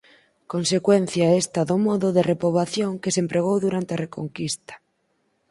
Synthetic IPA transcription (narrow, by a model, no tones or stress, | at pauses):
konsekwen̟θjaest̪aðʊmɔðʊðerepɾoβaθjoŋkesempɾeɣ̞owðuɾant̪eɐrekoŋkist̪ḁ